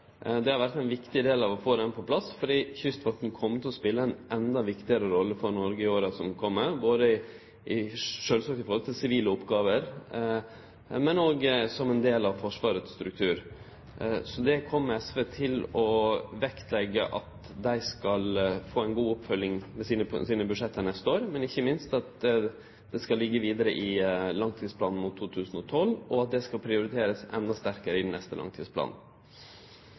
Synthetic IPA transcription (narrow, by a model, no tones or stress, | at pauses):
d̪ɛhɑɾʋæɾt̪æɪnʋɪkt̪ɪd̪eːlɑʋɔfoːd̪ɛnpʰɔpʰlɑsfɔɖiːçʏst̪ʋɔʈn̩kʰɔmːət̪ʰɪlɔspɪlːəæɪnʔɛnd̪ɑʋɪkt̪ɪəɾəɾɔlːəfɔɾnɔɾɡəɪoːɾəsɔmkʰɔmːəɾboːd̪əɪ | ʔɪʂøːlsɑːk̚t̪ɪfɔɾhɔlt̪ʰɪlsɪʋiːləʊpːɡɑːʋəɾ | mɛnoːɡsɔmɛnd̪eːlɑʋfɔʂʋɑːɾət̪st̪ɾʉk̚t̪ʰʉːɾ | sɔd̪ɛkʰɔmːəɛsʋeːt̪ʰɪlɔʋɛkt̪lɛɡːə̰ʔɑ̰t̪ | d̪æɪskɑlfoːæɪnɡuːɔpfœlːɪŋmɛsiːnəpʰsiːnəbʉʂɛt̪ʰːənɛst̪əoːɾmɛnɪçːəmɪnst̪ɑt̪ | d̪̥ɛskɑlːɪɡːəʋiːd̪əɾəʔɪlɑŋt̪ʰiːd̪spʰlɑːnn̩mʊt̪ʰːuːt̪ʰʉːsn̩ɔt̪ʰɔlːɔɑt̪̚d̪ɛskɑlpʰɾɪʊɾɪt̪ʰeːɾəsɛ̰nd̪ɑst̪æɾkəɾəɪd̪ɛn̩ɛst̪əlɑ̰ŋt̪ʰiːspʰlɑ̰ːnn̩